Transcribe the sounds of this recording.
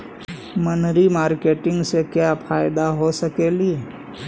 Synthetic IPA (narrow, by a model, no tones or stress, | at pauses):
mənɾimaːɾkeːʈɪ̃ŋɡsekjapʰaːɪd̪aɦosɐkelie